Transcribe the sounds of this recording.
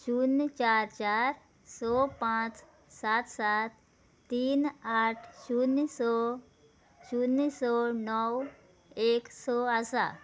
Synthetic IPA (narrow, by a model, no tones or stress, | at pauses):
t͡ʃuːnt͡ʃaːɾt͡ʃaːɾ | sɔːpãːt͡ʃ | saːt̪saːt̪̚ː | iːnaːʈʰt͡ʃunsɔ | t͡ʃuːnisɔːnɔw | eːksɔːasa̰ː